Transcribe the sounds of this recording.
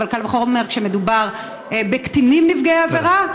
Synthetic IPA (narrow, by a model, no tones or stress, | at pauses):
valkalvaχoʁome̞ʁkʃeme̞dubaʁ | ebekt̪inimnifɡeaːve̞ʁa